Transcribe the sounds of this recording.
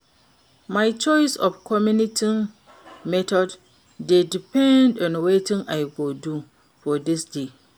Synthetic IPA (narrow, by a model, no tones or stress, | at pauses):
maɪt͡ʃɔɪsɔfkʰɔmjũnitʰi | mɛtʰɔd | dedipʰɛ̃ndɔ̃nwetĩnaɪɡodu | fɔdɪsde